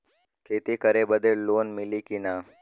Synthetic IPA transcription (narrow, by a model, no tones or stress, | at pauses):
kʰeːt̪iːkəɾeːbəd̪ʱeːlloːnmɪliːkinaː